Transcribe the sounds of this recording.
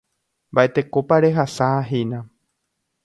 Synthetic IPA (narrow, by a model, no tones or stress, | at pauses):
mbaʔet̪e̞kopaɾe̞ɦasaɦejnã